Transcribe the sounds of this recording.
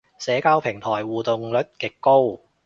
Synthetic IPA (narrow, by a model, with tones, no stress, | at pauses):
sɛː˨˧˥kaː˧wpʰɪ˨˩ŋt̪ʰɔː˨˩jwuː˨t̪ʊ˨ŋlɵ˨˥t̚kɪ˨˩kːo˥w